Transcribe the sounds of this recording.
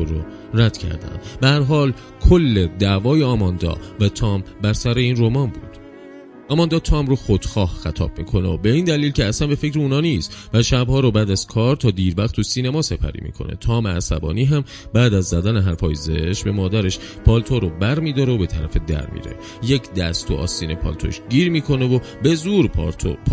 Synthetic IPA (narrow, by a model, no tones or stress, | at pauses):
oɾo | ɾæd̪̥cʰæ̰ɾd̪æ̰nd̪behæɾɦɒːl | kʰolːe̞d̪ævɒːjeɒːmɒnd̪ɒ̰væt̪ʰɒːmbæɾsæɾe̞iːnromɒːnbuːd̪̥ | ʔɒːmɒnd̪ɒːt̪ʰɒːmɾoxod̪̥xɒːhxæt̪ʰɒ̰ːb̥̚mḭːkʰo̞neobe̞iːnd̪æliːlceæsænbe̞fe̞cʰɾeunɒːniːst̪væʃæbhɒːɾobæːd̪æz̥kʰɒːɾt̪ʰɒːd̪iːɾvæχt̪ːʰusiːnemɒːse̞pʰæ̰ɾḭːmḭːkʰo̞̰ne̞̰t̪ʰɒːmeæsæ̰bɒ̰ːniːɦæm | bæːd̪æzːæd̪æneɦæɾfɒːjzḛʃbe̞mɒːd̪æɾe̞ʃ | pʰɒlt̪ʰoɾobæɾmiːd̪ɒːɾeobe̞t̪ʰæɾæfed̪æ̰ɾmḭːɾe̞̰ | je̞cʰd̪æ̰st̪ʰuʔɒ̰ːsiːnepʰɒ̰ːlt̪ʰoʃɟiːɾmiːkʰo̞ne̞vo | be̞zuːɾʰopː